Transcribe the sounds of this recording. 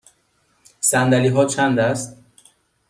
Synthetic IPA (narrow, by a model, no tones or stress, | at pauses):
sænd̪æliɦɒːt͡ʃʰænd̪æst̪